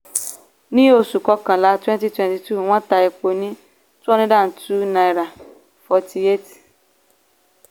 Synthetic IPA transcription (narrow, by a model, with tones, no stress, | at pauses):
nĩ˦o˧su˨kɔ˧kã˨la˨˦twɛ̃˦n˦ti˦twɛ̃˨nti˨tu˦˨w̃ɔ̃˦ta˨˧e˨k͡po˧nĩ˦ | tɔ˦nĩ˦dã˦˨n̩˨tu˦na˨jɾa˨ | fɔ˨tʰi˨e˦t